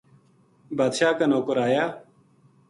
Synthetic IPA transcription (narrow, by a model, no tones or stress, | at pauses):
baːd̪ʃaːkanoːkəɾaːjaː